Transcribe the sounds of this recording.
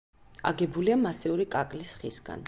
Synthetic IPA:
a̰ɡɛbuliamasɛuɾikʼakʼlisχḭsɡa̰n

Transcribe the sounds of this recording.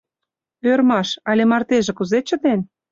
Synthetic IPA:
ørmɑʃɑlʲemɑrt̪eʒĕkuzet͡ɕə̆t̪en

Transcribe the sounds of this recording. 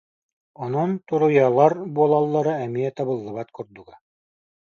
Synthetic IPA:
ŏnont̪oɾŏjɑlˠɑɾbuɔlˠɑlˠːɑɾɤæmiæt̪ɑβɤ̆lˠːɤ̆βɑt̪kŏɾd̪uɡɑ

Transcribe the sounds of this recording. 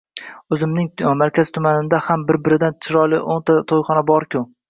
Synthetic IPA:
ɵzɪmnɪŋmaɾkʲazt̪ʰʊmanɪnd̪ahambɪɾbɪɾɪd̪ant͡ʃʰɪɾɒlˠɪʔont̪ʰat̪ʰojχɒnabɒɾkʲʊ

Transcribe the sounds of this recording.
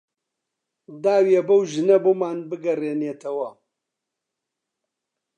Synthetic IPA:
d̪aːwiɐbɐwʒɨnɐbuːmaːnbɨɡɐreːneːt̪ʰɐwɐ

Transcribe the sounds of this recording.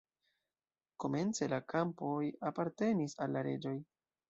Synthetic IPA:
ko̞me̞nt͡se̞lakʰampo̞japaɾte̞nisalːaɾe̞d͡ʒo̞j

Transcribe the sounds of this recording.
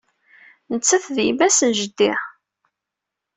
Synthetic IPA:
nət͡sːæθðimæsənʒəd̪ːiħ

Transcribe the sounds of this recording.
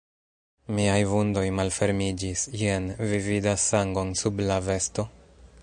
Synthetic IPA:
miajvundo̞jmalfe̞ɾmid͡ʒisjenvividasaŋɡo̞nsublave̞sto̞

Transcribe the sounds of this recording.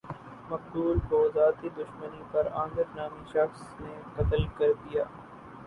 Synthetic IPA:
mɐk̚buːlbɔːzaːt̪id̪ʊʃmənipɐɾãːŋɡ̪əɾnaːmiʃɐxsnekɐt̪əlkɐɾd̪ijaː

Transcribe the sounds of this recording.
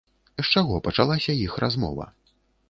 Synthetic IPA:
st͡ʂaɣɔpɐt͡ʂalˠasʲɐjixrazmɔ̰vɐ̰

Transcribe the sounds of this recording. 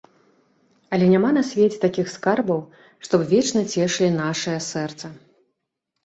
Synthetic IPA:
ɐlʲɛnʲamanɐsʲvʲɛt͡sʲɛt̪akʲixskarbɐw | ʂt̪ɔbvʲɛt͡ʂnɐt͡sʲɛʂlʲinaʂɨjɐsɛrt̪sɐ

